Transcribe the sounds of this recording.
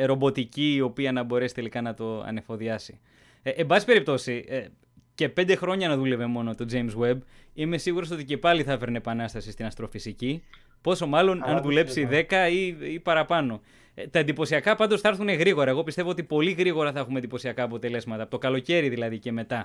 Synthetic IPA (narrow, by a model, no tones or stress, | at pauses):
ɾo̞bo̞t̪iciːo̞piɐnɐbo̞ɾe̞si̥t̪e̞likɐnɐt̪o̞ɐ̰ne̞fo̞ðiɐsi̥ː | mbɐsi̥pe̞ɾip̚t̪o̞si | ce̞pe̞nd̪e̞xɾo̞ɲɐnɐðule̞ve̞mo̞no̞t̪o̞d͡zejmswe̞bime̞siɣuɾo̞so̞t̪ice̞pɐliθɐfe̞ɾneepɐnɐst̪ɐsist̪inɐst̪ɾo̞fisici | po̞so̞mɐlo̞nɐnðule̞psiðe̞kɐiipɐɾɐpɐno̞ | t̪ɐend̪ipo̞siɐkɐpɐnd̪osθɐɾθune̞ɣɾiɣo̞ɾɐe̞ɣo̞pist̪e̞voo̞t̪ipo̞liɣɾiɣo̞ɾɐθɐexumend̪ipo̞siɐkɐːpo̞t̪e̞le̞zmɐt̪ɐpot̪o̞kɐlo̞ce̞ɾiðilɐðice̞me̞t̪ɐ